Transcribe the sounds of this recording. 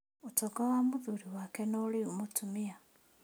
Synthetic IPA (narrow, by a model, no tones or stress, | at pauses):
otɔɡawamuðuɾiwakɛnoːliomotumia